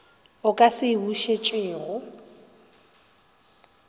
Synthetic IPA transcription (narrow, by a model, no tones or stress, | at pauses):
ʊkʼasɪbuʃet͡ʃʼeːɣʊ